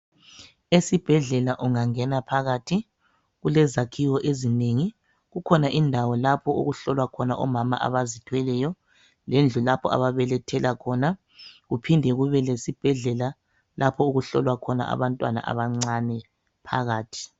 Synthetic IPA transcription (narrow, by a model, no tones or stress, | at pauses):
esib̥ʱɛɮɛlaʔuŋaŋɛnapʰaɣaːtʰi | ɣulɛzakʰiwɔʔezineŋi | ɣukʰɔnaʔindʱawɔlapʰɔuɣuɬɔlwakʰɔnaʔɔ̰mama̰ʔa̰βazitʰwɛlɛjɔ | lend͡ɮʱulapʰɔ̰a̰βaβɛlɛtʰɛlakʰɔna | ɣupʰindʱɛɣuβɛlesib̥ʱɛɮɛla | lapʰɔuɣuɬɔlwakʰɔna̰ʔa̰βantʼwana̰ʔa̰βaŋ͡ǀanɛ | pʰa̰ɣaːtʰi̥